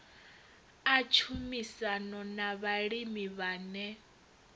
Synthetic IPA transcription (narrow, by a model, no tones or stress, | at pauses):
at͡ʃʰumisanɔnaβaɺimiβaːnɛ